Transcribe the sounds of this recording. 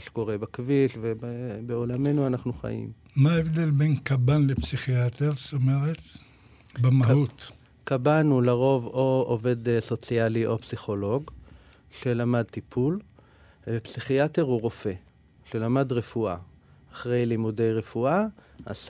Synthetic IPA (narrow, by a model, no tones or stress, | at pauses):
ʃe̥ko̞ʁe̞bakviʃvebebeo̞lame̞nuanaχnuχa̰jḭm | maevd̪elbenkabanlepsiχiat̪eʁst̪omeʁet̪ | bemahut̪ | kabanhulaʁo̞vo̞ove̞dso̞t͡sijaliʔo̞psiχo̞lo̞ɡ | ʃe̞lamad̚t̪ipʰul | epsiχiate̞ʁhuʁo̞fe̞ | ʃe̞lamadʁe̞fua̰ː | χʁe̞jlimude̞jʁe̞fua | a̰s